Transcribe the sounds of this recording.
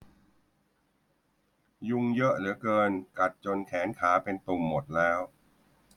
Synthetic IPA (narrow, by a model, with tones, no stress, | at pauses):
ju˧ŋjɤ˦˥ʔlɯ˩˦əkɤː˧nka˨˩t̪̚t͡ɕo˧nkʰɛː˩˦nkʰaː˩˦pe˧nt̪u˧˩mːo˨˩t̪̚lɛː˦˥w